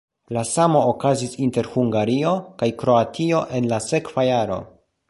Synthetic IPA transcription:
lasamo̞ːkazisinte̞ɾhuŋɡaɾio̞kajkɾo̞atʰio̞ʔe̞nlase̞kvajaɾo̞̰

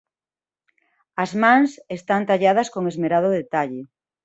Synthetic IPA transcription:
ɐzmãŋsest̪ant̪aʎað̞ɐskoŋezmeɾað̞ʊðet̪aʎe

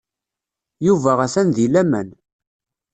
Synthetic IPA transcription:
juvæʁæsænðilæmæn

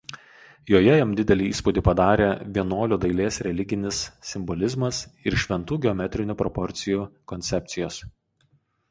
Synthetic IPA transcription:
joːjɛjɛmd̪ʲɪd̪ʲɛlʲiːiːspud̪ʲiːˑpɐd̪ɑːɾʲeːʋʲiɛnoːlʲʊd̪ɐɪlʲeːsɾʲɛlʲɪɡʲɪnʲɪsːʲɪmbɔlʲɪzmɐsɪɾʃʲʋʲɛnt̪uːɡʲɪɔmʲɛt̪ʲɾʲɪnʲʊpɾɔpɔɾʲt̪sʲɪjuːkɔnʲt̪sʲɛpʲt̪sʲɪjoːs

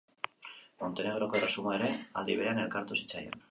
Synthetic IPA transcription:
mo̞nt̪e̞ne̞ɣ̞ɾo̞ko̞resumoe̞ɾe̞a̰ld̪iβeɾeane̞lkaɾt̪usi̥t͡sa̰ja̰n

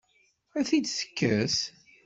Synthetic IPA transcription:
æθid̪θə̥kːəs

